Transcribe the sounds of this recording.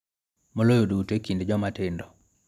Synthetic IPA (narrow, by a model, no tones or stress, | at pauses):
molojodutekindd͡ʒɔmatɪndɔ